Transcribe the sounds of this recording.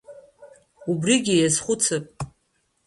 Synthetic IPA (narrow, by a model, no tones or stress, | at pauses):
ubriɡʲijazχʷʊt͡sʰɨpʼ